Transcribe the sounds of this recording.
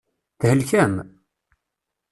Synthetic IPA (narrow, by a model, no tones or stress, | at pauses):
θhəlçæm